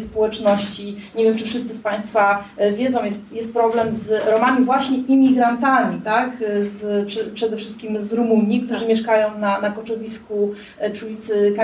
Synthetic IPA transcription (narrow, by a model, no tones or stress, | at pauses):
spɔwɛt͡ʂnɔɕt͡ɕiɲevjɛmt͡ʂɘfʂɘst̪sɘspaj̃st̪favʲjɛd̪ɔ̃w̃jɛst̪jɛst̪̚pɾɔblɛmzɾɔmamʲivwaɕɲɛʔimʲiɡɾant̪amʲit̪akzpʂɛpʂɛd̪ɛfʂɘst̪kʲimzɾumuɲik̚t̪uʐɘmʲjɛʂkajɔ̃w̃nanakɔt͡ʂɔvʲisku | ʂuvʲit̪sɘka